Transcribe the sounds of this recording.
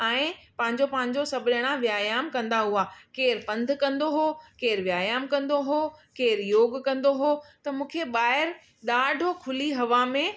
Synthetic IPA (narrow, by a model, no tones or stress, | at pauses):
ɛ̃ːpɐ̃ɦɪ̃ɲd͡ʑopɐ̃ɦɪ̃ɲ̆d͡ʑosɐbʱɪɗəɽ̃ãʋjaːjaːmkɐ̃nd̪aɦuakeːɾpɐ̃nd̪ʱkɐ̃nd̪oɦokeːɾʋjaːjaːmkɐ̃nd̪oɦokeːɾjoːɡkɐ̃nd̪oɦot̪ɐmũːkʰeɓaːɦɪɾ | ɗaːɖʱokʰʊliɦɐʋamẽ